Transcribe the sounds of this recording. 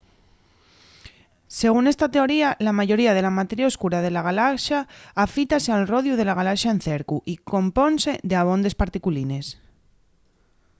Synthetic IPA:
se̞ɣ̞une̞st̪at̪e̞o̞ɾialamaʝo̞ɾiað̞e̞lamat̪eɾjaoskuɾað̞e̞laɣ̞alaʃaːfit̪asealro̞ðjuð̞e̞laɣ̞alaʃaen̟θe̞ɾkuʔiko̞mpo̞nse̞ðeaβ̞o̞nd̪espaɾt̪ikuline̞s

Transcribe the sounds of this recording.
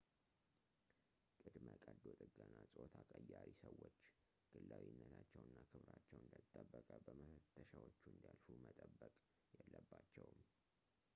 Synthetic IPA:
kʼɨd̪məkʼəd̪ot̪ʼɨɡːanːasʼot̪ʰakʼəjːaɾisəwːot͡ʃː | ɡ̥ɨlːawinːət̪ʰat͡ʃːɛwɨnːakʰɨβɾat͡ʃːɛwɨnd̪ət̪ʼːəbːəkʼəbəməfət̪ʰːəʃawot͡ʃːuɨnd̪ijalfumət̪ʼəbːəkʼ | jɛlːəbːat͡ʃːɛwm

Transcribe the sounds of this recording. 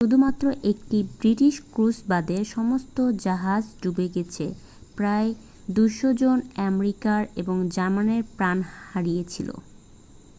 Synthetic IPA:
ʃud̪ʱumat̪ːɾoʔek̚ʈibɾiʈiʃkɾusbad̪eɾʃɔmost̪od͡ʑaɦad͡ʑɖubeɡet͡ɕʰe | pɾae | d̪ujʃod͡ʑonɛmɾikaɾeboŋd͡ʑaɾmaneɾpɾanhaɾijet͡ɕʰilo̰

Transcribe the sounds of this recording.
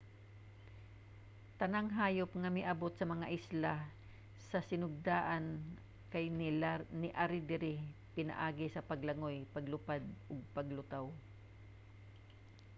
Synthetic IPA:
t̪ɐnaŋɦaːjʊpŋɐmɪʔɐbot̪sɐmɐŋaʔɪsla | sɐsɪnʊɡ̚d̪aːʔan | kajnɪnɪʔaɾɪd̪ɪɾɪpɪna̰ʔaːɡɪsɐpɐɡlɐŋojpɐɡlʊpad̪̚ʔʊɡ̚pɐɡlʊt̪aw

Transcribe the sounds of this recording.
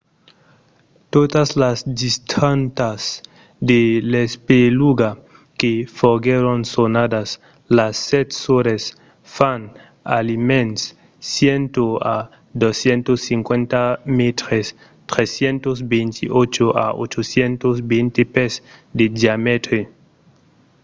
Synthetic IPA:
t̪ot̪aslasdist̪ʰant̪as | d̪elespeluɡa | kefoɡeɾonsonad̪as | lasːɛt̪soɾes | fan | a̰limẽnsː | jent̪oa | d̪osjent̪osːiŋkwent̪amet̪ɾes | t̪ɾesjent̪osbent̪ʰiot͡ʃoʔa̰o̰t͡ʃosjent̪osbint̪epesd̪ed̪iamet̪ɾe

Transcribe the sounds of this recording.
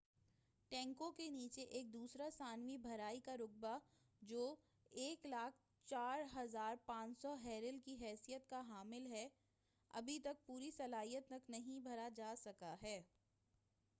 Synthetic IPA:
ʈɛ̃ːŋkõkeniːt͡ʃeʔeːk̚d̪uːsɾasaːnwibʱɐɾaːikaɾʊk̚ba | d͡ʒoː | eːklaːk̚ʰ | t͡ʃaːɾɦɐzaːɾpãːt͡ʃsɔɦɛːɾɪlkiɦɛːsijət̪kaɦaːmɪlɦɛ | ɐ̰bʱit̪ɐk̚puːɾisɐlaːɦijət̪nɐknɐɦĩbʱɐɾad͡ʒaːsɐkaɦɛː

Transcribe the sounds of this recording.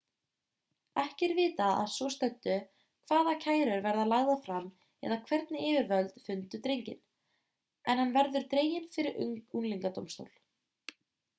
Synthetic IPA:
ɛhcɪɾvɪːt̪aa̰ðsvɔst̪œt̪ːʏ | kʰv̥aːðacʰaːjɾʏɾvɛɾðalaːɣðafɾam | ɛ̰ðakʰvɛɾt̪nɪɪːvɪɾvœlt̪fʏnt̪ʏt̪ɾejɲcɪ̰n | ɛnhanːvɛɾðʏɾ̥t̪ɾeːjɪnfɪɾɪɾʔʏŋkunliŋkat̪o̰wmst̪o̰wl̥

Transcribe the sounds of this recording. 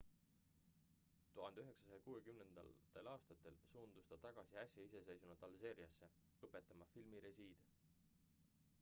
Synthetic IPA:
t̪uɦɑnd̪eyɦe̞ksɑsɑjɑkuːe̞kymnend̪̥ɑ̰ld̪̥e̞lɑːst̪ɑt̪ːˑe̞lsuːnd̪̥ust̪ɑt̪ɑɡ̥ɑsiɑsʲjɑise̞se̞jsunud̪̥ɑlse̞ːɾjɑsːe̞ | ɤpːˑe̞t̪ːˑɑmɑfilmiɾe̞siːd̪̥

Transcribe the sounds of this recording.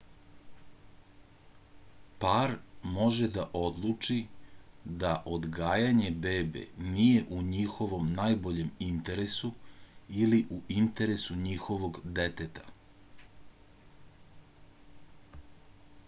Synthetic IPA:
paɾmo̞ʒed̪aʔo̞d̪lˠut͡ʂi | d̪aʔo̞d̪ɡaːjaɲe̞be̞ːbe̞̰nije̞ʔuɲixo̞ʋo̞mnaːjbo̞ʎe̞mint̪e̞ɾesuiliʔuʔint̪eɾesuɲixo̞ʋo̞ɡd̪et̪et̪ḁ

